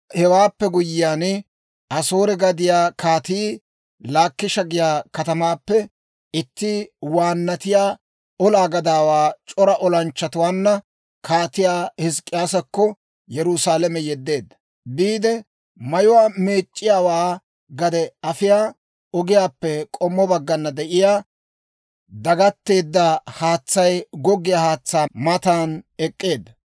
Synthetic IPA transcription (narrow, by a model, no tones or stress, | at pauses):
hɛwaːpːɛɡʊjːɪjaːnɪ | ʔɐsoːɾɛɡɐd̪ɪjaːkʰaːt̪iː | laːkːɪʃɐɡɪjaːkɐt̪ɐmaːpːɛ | ɪt̪ːɪwaːnːɐt̪ɪjaː | ɔlaːɡɐd̪aːwaːt͡ʃʼɔɾɐʔɔlɐnt͡ʃːɐt̪ʊwaːnːɐ | kʰaːt̪ɪjaːhɪskʼːɪjaːsɐkːɔ | jɛɾʊsaːlɐmɛjɛd̪ːe̞ːd̪ːɐ̥ | biːd̪ɛ | mɐjʊwaːmeːt͡ʃʼːɪjaːwaː | ɡɐd̪ɛɐfɪjaː | ɔɡɪjaːpːɛkʼɔmːɔbɐɡːɐnːɐd̪ɛʔɪjaː | d̪ɐɡɐt̪ːe̞ːd̪ːahaːt͡sːɐjɡɔɡɪjaːhaːt͡sːaːmɐt̪aːnɛkʼːe̞ːd̪ːɐ